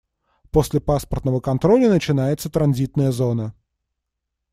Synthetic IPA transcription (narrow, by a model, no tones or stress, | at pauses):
posʲlʲɪpaspərt̪nəvəkɐnt̪ɾo̞lʲənət͡ɕɪnajɪt̪sət̪ɾɐnzʲit̪nəjəzo̞nə